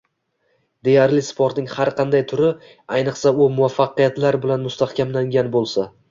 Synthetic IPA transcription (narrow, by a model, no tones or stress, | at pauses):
d̪e̞jaɾlɪspʰoɾt̪nɪŋhaɾqʰɑnd̪ajt̪ʰʊɾɪ | ajnɨqsaʊmʊafːɑqɨjat̪laɾbɪlanmʊst̪ahkʲʰamlaŋɡʲanbolˠsa